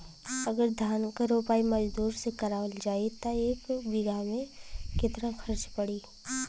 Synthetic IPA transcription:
ɐɡəɾd̪ʱjaːnkaɾoːpaːimɐd͡ʒd̪uːɾsekɐɾaːʋəld͡ʒaːit̪oeːkbɪɡamẽkɪt̪ɾãxʰɐɾt͡ʃpɐɽiː

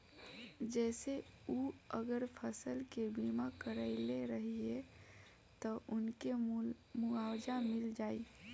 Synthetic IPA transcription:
d͡ʒɛːseuəɡəɾpʰəsəlkebimakəɾəɪleɾəɦie | t̪ɔʔʊnke | muawd͡ʒamɪld͡ʒaːi

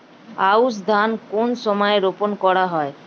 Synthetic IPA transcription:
aus̬d̪ʱankonʃɔmɔeɾoponkɔɽaɦɔe

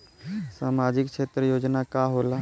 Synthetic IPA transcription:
saːmaːd͡ʒɪkʃʰeːt̪ɾəjoːd͡ʒnakaɦoːla

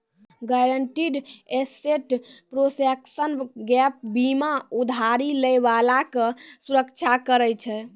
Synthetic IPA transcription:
ɡaɾəɳʈiɖeseʈpɾosɛksənɡɛp̚bimaud̪ʱaɾiləjβalakəsuɾəkt͡ʃʰakəɾɛt͡ʃʰɛ

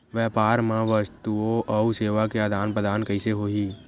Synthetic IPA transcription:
ʋjɛːpaːɾmãʋəst̪uoʔɔuseːʋakead̪ʱaːnpɾəd̪ʱaːnkɐɪseɦoːiː

